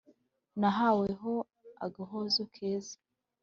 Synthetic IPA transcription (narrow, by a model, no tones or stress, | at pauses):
naɦaweɦo | a̰ɡaɦozokʰeːzḁ